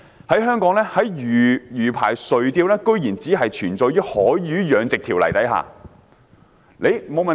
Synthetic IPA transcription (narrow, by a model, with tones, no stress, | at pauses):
hɐ˨˥jɦœː˥ŋkɔː˨˥ŋlɛː˥hɐ˨˥jjyː˨˩jyː˨˩pʰa̰ː˨˩jsɵ˨ɥt̪iː˧wlɛː˥kɵ˥ɥjiː˨˩nt͡siː˨˥ɦɐ˨jt͡ʃʰyː˨˩nt͡sɔː˧jyː˥hɔː˨˥ɥyː˨˥jœː˨˧ŋt͡sɪ˨k̚t̪ʰiː˨˩wlɐ̰˨˩jt̪ɐ˨˥jɦa̰ː˨˩ | le˨˧jmo˨˧wmɐ˨